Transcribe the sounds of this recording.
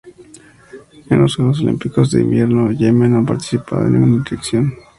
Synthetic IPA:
enlosweɣos̬olḭmpiko̞zðe̞ḭmbjeɾnoʝemenapaɾt̪i̥sipʰa̰ðḛnːḭ̃ŋɡunaðiɾeksjon

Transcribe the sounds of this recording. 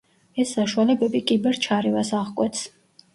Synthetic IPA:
ɛsːaʃualɛbɛbikʼibɛɾt͡ʃʰaɾɛvasaʁkʼwɛt̪sʰ

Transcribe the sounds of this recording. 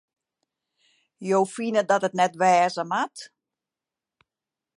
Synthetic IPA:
jowfinədɔtətnɛtʋɛːzəmat

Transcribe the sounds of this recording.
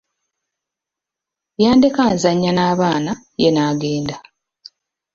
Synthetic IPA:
jaːndekaːnzaɲːanaːβaːna | jenaːɡe̞ːnda

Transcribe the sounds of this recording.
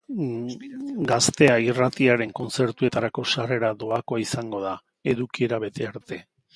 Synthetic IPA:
ɡast̪e̞airat̪iaɾe̞ŋko̞nt͡se̞ɾt̪ue̞t̪aɾako̞sare̞ɾaðo̞akoaisaŋɡo̞ð̞a | e̞ðukieɾaβ̞e̞t̪e̞aɾt̪e̞

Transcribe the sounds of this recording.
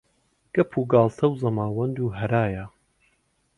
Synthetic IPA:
ɡ̥ɐpʰuɡaːlˠt̪ʰɐwzɐmaːwɐnd̪uːɦɐɾaːjɐ

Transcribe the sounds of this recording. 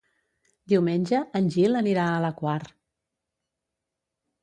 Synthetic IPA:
d̪iwmenʲʒəənʲʒiləniɾaələkwaɾ

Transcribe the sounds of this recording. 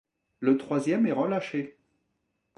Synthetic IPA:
lət̪χwazjɛmɛʁəlaʃe

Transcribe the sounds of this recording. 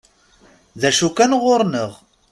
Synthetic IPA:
ðæʃukænʁoɾnəʁ

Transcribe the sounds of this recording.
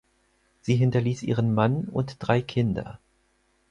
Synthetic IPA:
z̥iːɦɪntɐliːsʔḭːʁənmanʊ̰ntd̥ʁaɪkʰɪndɐ̰

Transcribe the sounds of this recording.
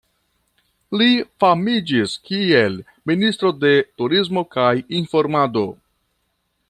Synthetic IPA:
lifamid͡ʒiskiel | minist̪ɾo̞de̞tuɾiz̬mo̞kajinfo̞ɾmado̞

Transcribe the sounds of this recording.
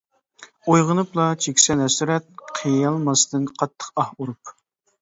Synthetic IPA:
ojʁənɨplˠɑt͡ʃʰekʲsɛnɛsyɾɛt̪̚qʰijjɑlˠmɑst̪ɨnqʰɑt̪ʰːə̥qɑhuɾup

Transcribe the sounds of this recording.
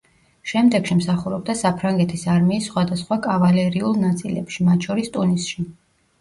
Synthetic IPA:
ʃɛmd̪ɛɡʃimsaχuɾɔb̚d̪asapʰɾaŋɡɛt̪ʰisaɾmiːsːχwad̪asχwakʼavalɛɾiulˠnat̪sʼḭlɛ̰pʃimat̪ʰʃɔɾist̪ʼunisʃi

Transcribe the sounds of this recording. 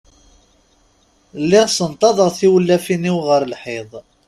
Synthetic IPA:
lːɪʁsənt̪ˤɑðˤəʁθiwəlːæfiniwʁəɾlħeðˤ

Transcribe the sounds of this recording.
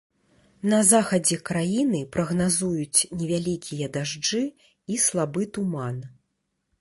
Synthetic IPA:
nɐzaxɐd͡zʲɛkɾajinɨpɾɐɣnazujut͡sʲnʲɛvʲalʲikʲʰijɐd̪aʐd͡ʐɨ | islˠabɨt̪uman

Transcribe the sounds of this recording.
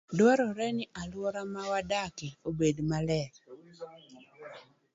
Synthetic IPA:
dwɔɾɔɾɛnɪʔalwɔɾamawadakɪobedmalɛ

